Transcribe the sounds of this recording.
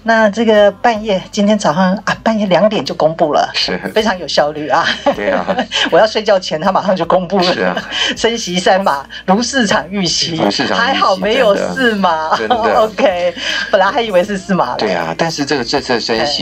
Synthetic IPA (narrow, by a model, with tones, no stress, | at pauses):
na˥˧ʈ͡ʂɤ˥˩ɡə˩pa˥˧njɛ˥˩t͡ɕi˥nt̪ʰjɛ˥nt͡sʰɑ˨˩ʊʂɑ˥˧ŋa˧˩pa˥˧njɛ˥˩ljɑ˨˧˥ŋt̪jɛ˨˩nt͡ɕjo˥˩ʊkʊ˥ŋpu˥˩lə̰˩ʂ̩˥˩fe˥ɪʈ͡ʂʰɑ˧˥ŋjo˨˩ʊɕjɑ˥˧ʊly˥˩ɐ˩ | wɔ˨˩jɑ˥˧ʊʂwe˥˧ɪt͡ɕjɑ˥˩ʊt͡ɕʰjɛ˧˥nt̪ʰa˥ma˨˩ʂɑ˥˧ŋt͡ɕjo˥˩ʊko˥ŋpu˥˩lə˨˩ʂə˥nɕi˧˥sa˥nma˨˩ | lu˧˥sɹ̩˥˧ʈ͡ʂʰɑ˨˩ŋy˥˩ɕi˧˦˥xa˧˦˥ɪxɑ˨˩ʊme˨˧˥ɪjo˨˩ʊsɹ̩˥˩ma˨˩˧o˧˦ʊkʰe˦˥ɪpə˨˩nla˧˥xa˧˥ɪi˨˩we˧ɪʂɻ̩˥˧sɹ̩˥˩ma̰˨˩t̪wḛ˥˩t̪a˥˧nʂɻ̩˥˧ʈ͡ʂə˥ɡə˩t͡sə˥˧ə˥˩ʂə˦ni˧˥